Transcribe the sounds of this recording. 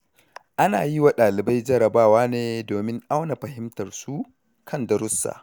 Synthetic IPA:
ʔa˦naː˨ji˦wa˨ɗaː˨lɪ˨ba˦jd͡ʒɐ˦ɾɐ˨baː˦˨waː˦neː˦doː˨mɪ˦ŋʔa˦wna˨ɸɐ˨ɦɪ˦mtɐ˨rsu˦ | kʰɐ˦˨ndɐ˨ɾʊ˦sːa̰ː˨

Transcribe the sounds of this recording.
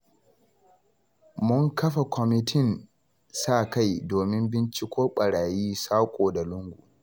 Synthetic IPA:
mʊ˦ŋkɐ˦ɸa˨kʷʰɔ˨mɪ˦tʰɪ˦˨n | saː˦˨ka˦jdoː˨mɪ˦mbɪ˦nt͡ʃi˦kʷʰoː˦ɓɐ˨ɽaː˨jiː˦saː˦kʷʼoː˨da˨lʊ˦ŋɡʷu˨

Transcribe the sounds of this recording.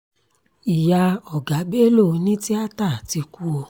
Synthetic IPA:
i˨ja˧ɔ˨ɡa˨˦be˦lo˦˨˧nĩ˦ti˦a˦ta˦˨ti˧ku˦o˧

